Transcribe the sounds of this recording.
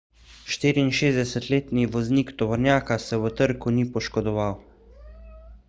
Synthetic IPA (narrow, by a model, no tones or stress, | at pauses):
ʃt̪iːɾiːnʃeːzd̪ɛsɛt̪leːt̪niʋɔzniːkt̪ɔʋɔɾnjaːkasɛwət̪əɾkunipɔʃkɔd̪ɔʋaw